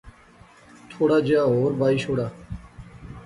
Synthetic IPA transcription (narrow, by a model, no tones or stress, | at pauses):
t̪ʰoːɽaːd͡ʒaːɦoːɾbaːiːʃoːɽaː